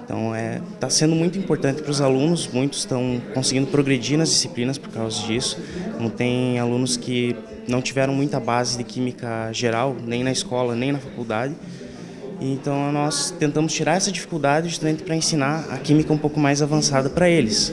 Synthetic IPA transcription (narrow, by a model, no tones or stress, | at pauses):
ẽt̪ɐ̰̃w̃ɛt̪asẽnd̪ʊmũj̃t̪ʊĩmpoɾt̪ɐ̃nt̪ɪ̥pɾʊzalũnʊsmũj̃t̪ʊ̥ɪ̥st̪ɐ̃w̃kõsɪɡĩnd̪ʊpɾoɡɾed͡ʒiɾnɐzd͡ʒisi̥plĩnɐspoɾkawzɐd͡ʒisʊ̥nɐ̃t̪ẽj̃alũnʊskɪ | nɐ̃w̃t͡ʃivɛɾɐ̃w̃mũj̃t̪ɐbazɪd̪ɪkʰĩmikɐʒeɾawnẽj̃nɐɪskɔlɐnẽj̃nɐfakuwd̪ad̪ɪ | ɪẽnt̪ɐ̃w̃nɔst̪ẽnt̪ɐ̃mʊst͡ʃiɾaɾɛsɐd͡ʒifi̥kuwd̪ad̪ɪʒust̪amẽnt̪ɪ̥pɾɐẽsinaɐ̰kimikɐũpowkʊmajzavɐ̃sad̪ɐpɾɐelɪs